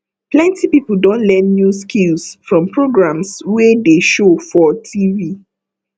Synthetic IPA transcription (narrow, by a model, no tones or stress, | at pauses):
plɛ̃ntʰipipl̩dõnlɛ̃nːjuskʰilsfɹɔ̃mpʰɹoɡɹãmswedeʃofɔtʰivi